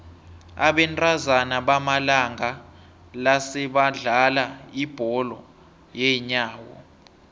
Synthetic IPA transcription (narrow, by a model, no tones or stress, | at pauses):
aɓɛntʼazanaɓamalaŋa | lasɛɓaɮalaib̥ʱɔlɔ | jɛɲaːwɔ̰